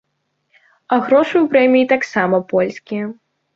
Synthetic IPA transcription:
ɐɣɾɔʂɨwpɾɛmʲijit̪aksamɐpɔlʲsʲkʲijɐ

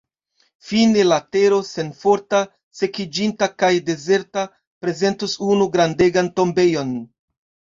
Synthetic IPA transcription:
finelate̞ɾo̞se̞nfo̞ɾta | se̞kid͡ʒintakajde̞ze̞ɾta | pɾe̞ze̞ntusunuɡɾande̞ɡanto̞mbe̞jo̞n

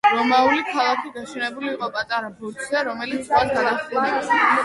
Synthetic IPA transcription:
ɾɔmaulikʰalˠakʰiɡaʃɛnɛbuliːqʼɔpʼat̪ʼaɾabut̪ʰzɛɾɔmɛlit̪sʼalɡ̪anaχa

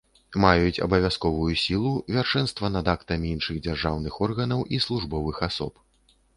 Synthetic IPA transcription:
majut͡sʲɐ̰bɐvʲaskɔvujusʲilˠuvʲarʂɛnst̪vɐnɐd̪akt̪ɐmʲiinʂɨɣd͡zʲarʐawnɨxɔrɣɐnɐwʔislˠuʐbɔvɨxasɔ̰p

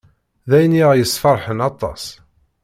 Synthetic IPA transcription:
ðæjniʁjəsːfɑɾˤħənɑt̪ˤɑ̰s

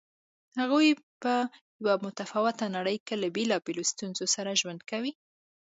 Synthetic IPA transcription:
haɣujpəjawamʊt̪afɑwɪt̪anaɽəjkelabelɑbelost̪unzosaɾaʒwand̪kawi

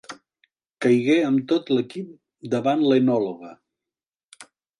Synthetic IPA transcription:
kəjɣeəmt̪ot̪ləkip̚ | d̪əβanlənɔloɣə

